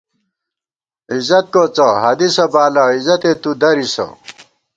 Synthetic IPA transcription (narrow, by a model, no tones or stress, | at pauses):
izɐt̪̚koːt͡sɐɦɐd̪isɐbaːlɐizɐt̪et̪ud̪ɐɾisɐ̰